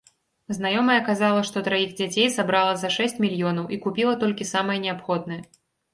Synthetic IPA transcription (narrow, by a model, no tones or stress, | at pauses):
znajɔmɐjɛkazalˠɐʂt̪ɔt̪ɾɐiɣd͡zʲat͡sʲejsabɾalˠɐzɐʂɛsʲt͡sʲmʲilʲjɔnɐwʔikupʲilˠɐt̪ɔlʲkʲisamɨjɛnʲɛapxɔd̪̚nɐjɛ